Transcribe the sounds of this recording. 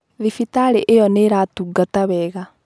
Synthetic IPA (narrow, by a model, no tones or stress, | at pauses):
ðifitaɾeʔejɔneɾatuɡataβɛːɣa